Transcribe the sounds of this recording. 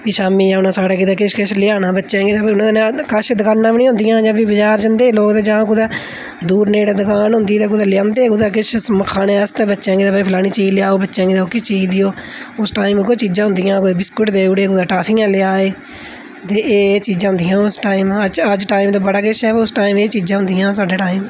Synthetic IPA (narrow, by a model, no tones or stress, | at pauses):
kiʃaːmiːãːʊnãːsaːɽeːkɪd̪eːkɪʃkɪʃlɪaːnãːbətːʃãːɡiːt̪aːʊnãːd̪nẽkəʃd̪əkaːnːãːʋinĩɦʊ̃nd̪ɪjãːd͡ʒãːʋibəd͡ʒaːɾd͡ʒənd̪eːloːkd̪eːd͡ʒãːk̬ʊd̪aː | d̪uːɾneːɽd̪əkaːnɦʊ̃nd̪iːt̪ãːkʊd̪aːlɪjãːnd̪eːkʊd̪aːk̬ɪʃsməkʰːaːneːəst̪ẽːbətːʃãːŋɡiːt̪aːpiːpʰlaːniːt͡ʃiːd͡ʒlɪaːoːbətːʃãːŋɡiːt̪aːkɪt͡ʃiːd͡ʒd̪ijoːʊsʈaːimkot͡ʃiːd͡ʒãːɦʊ̃nd̪ijãːkʊd̪eːbɪskʊʈd̪eːʊɽeːkʊd̪aːʈaːpʰiːãːlɪaːeː | t̪eːeːt͡ʃiːd͡ʒãːɦʊ̃nd̪ɪijãːʊsʈaːiːməəd͡ʒʈaːiːmt̪õːbəɽaːkɪʃʰɛːʊsʈaːiːmeːt͡ʃiːd͡ʒãːɦʊ̃nd̪ɪjãːs̬aːɖeːʈaːiːm